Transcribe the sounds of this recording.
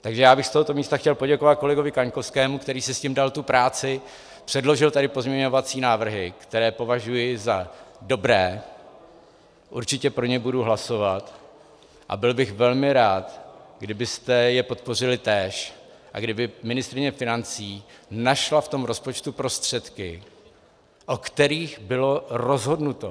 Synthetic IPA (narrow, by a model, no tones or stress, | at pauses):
t̪aɡʒɛjaːbɪxst̪o̞ɦo̞t̪o̞miːst̪axcɛlpo̞ɟɛko̞vat̪̚ko̞lɛɡo̞vɪkaɲkofskɛːmukt̪ɛɾiːsɪscimdalt̪upɾaːt͡sɪ | pr̝̥ɛdlo̞ʒɪlt̪adɪpo̞zmɲɛɲo̞vat͡siːnaːvr̩ɦɪkt̪ɛɾɛːpo̞vaʒujɪzado̞bɾɛː | ʔṵɾt͡ʃɪcɛpɾo̞ɲɛbuduɦlaso̞vat̪ | ʔa̰bɪlbɪxvɛlmɪɾaːt̪ɡdɪbɪst̪ɛjɛpo̞t̪po̞r̝ɪlɪt̪ɛːʃ | ʔa̰ɡdɪbɪmɪnɪst̪ɾɪɲɛfɪnant͡siːnaʃlaft̪o̞mɾo̞spo̞t͡ʃt̪upɾo̞st̪r̝̥ɛt̪kɪ | ʔo̞kt̪ɛɾiːxbɪlo̞ɾo̞zɦo̞dnut̪o̞